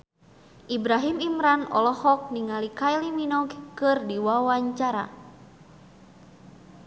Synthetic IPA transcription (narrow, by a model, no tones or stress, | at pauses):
ʔibɾaɦimimɾanɔ̰lɔhɔk̚niŋalikajliminɔɡkɨrdiwawaɲt͡ʃaɾa̰